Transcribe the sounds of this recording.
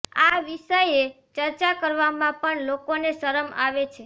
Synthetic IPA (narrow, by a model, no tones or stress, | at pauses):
aʋiʃəje | t͡ʃəɾt͡ʃakəɾʋamãpəɳlokonesəɾəma̰ʋet͡ʃʰe